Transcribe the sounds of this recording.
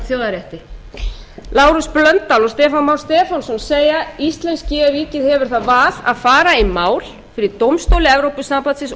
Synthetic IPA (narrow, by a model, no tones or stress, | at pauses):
θjoːwðaɾjɛht̪ɪ | laːwɾʏsplœnt̪t̪alɔst̪ɛːfanmawɾ̥st̪ɛːfansɔnseːjaist̪lɛnscɪaviːcɪðhɛvʏɾ̥θaðvaːð̥a̰ðfaːɾaimaːwl̥ | fɪɾɪɾt̪owmst̪owlɪɛvɾowpʏsːampat̪sɪs